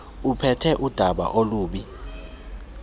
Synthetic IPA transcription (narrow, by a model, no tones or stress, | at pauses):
upʰɛtʰɛʔud̥ʱaɓa̰ʔoluːɓi